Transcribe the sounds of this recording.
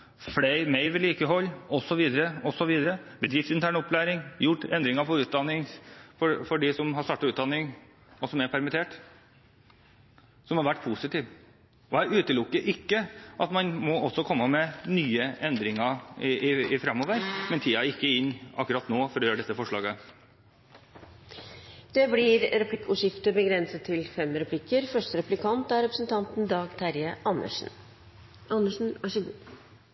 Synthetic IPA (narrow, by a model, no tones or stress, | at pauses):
fleɪmeɪʋɪliːkəɦɔlːɔsɔʋiːd̪əɾəɔsɔʋiːd̪əɾəbəd̪ɾɪfsɪnt̪ʰæːɳɔpːlæːɾɪŋjʊʈːɛnd̪ɾɪŋɑpʰɔɾʉːt̪̚d̪ɑnːɪŋfɔfɔɖɪsɔmɦɑɾʂst̪ɑːʈːɑʉːt̪̚d̪ɑnɪŋ | ɔsɔmæɾpʰæɾmɪt̪ʰeːʈ | sɔmhɑɾʋæʈːpʰusɪt̪iːʋ | ɔæʉːt̪əlʊkːəɾʔɪkːəʔɑt̪mɑnmɔɔsɔkʰɔmːəmɛnyːəɛnd̪ɾɪŋɑɪɪɪfɾɑmoːʋəɾmɛnt̪ʰiːɑɪkːəɪnːɑ̰kːʉɾɑt̪noːfɔɾɔjøːɾəɖɛsːəfɔʂɭɑːɡə | d̪̥ɛblɪɾɾɛpʰlɪkuʂɪft̪əbəɡɾɛnsət̪ʰːɪlfɛmɾɛpʰlɪkːəɾfœʂʈəɾɛplɪkʰɑnt̪æɾɛpɾəsnt̪ʰɑnt̪n̩d̪ɑːɡt̪ʰæɾjəʔɑnːə̰ʂɳ̩ | ʔɑnəʂɳ̩æʂəɡu